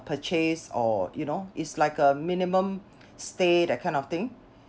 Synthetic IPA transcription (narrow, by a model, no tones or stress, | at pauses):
pʰət͡ʃesɔ̰junoitslaɪkəmĩnimə̃m | stedɛkʰãɪ̃ndɔft̪ĩŋ